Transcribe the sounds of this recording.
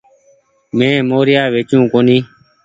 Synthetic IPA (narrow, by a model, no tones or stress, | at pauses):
mẽːmoːɾɪjaːʋeːt͡ʃjũːkoːniː